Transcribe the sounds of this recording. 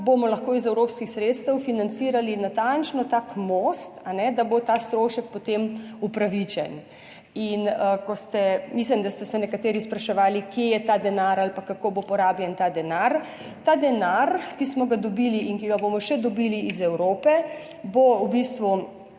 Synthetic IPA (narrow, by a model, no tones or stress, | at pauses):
bomɔlɐxkoːizɛwɾoːpskixsɾeːt̪st̪ɛwfinant͡ssiːɾalinat̪ant͡ʃnɔt̪akmost̪anɛd̪abot̪aːst̪ɾoːʃɛk̚pɔt̪emupɾaʋit͡ʃɛ̰n | inəkɔst̪ɛmis̬limd̪ast̪ɛsɛnɛkat̪eɾispɾaʃɛʋaːlikjejɛt̪aːd̪ɛnaɾalpakakoːbopɔɾaːbjɛnt̪aːd̪ɛnaɾ | t̪aːd̪ɛnaɾkismɔɡad̪ɔbiːliinkiɡabomɔʃɛd̪ɔbiːliizɛwɾoːpɛ | boubist̪ʋu